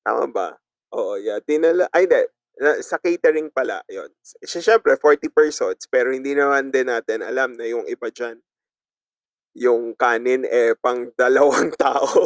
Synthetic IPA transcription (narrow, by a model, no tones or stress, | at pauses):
t̪a̰ːmɐ̰bɐ̰ | ʔoːʔojad̪ɪnɐlɐʔɐhɪnd̪ɛ | nɐsɐkejt̪ɛɾɪŋpɐla̰ʔjo̰nsʃaʃɛmpɾɛfoɹt̪ipɛɹsod̪spɛːɾohɪnd̪iːnɐmand̪ɪnːaːt̪ɪnɐ̰lamnɐjʊŋʔɪbad͡ʒan | jʊŋkaːnɪnɛpɐŋd̪ɐlɐwaŋt̪aːʔo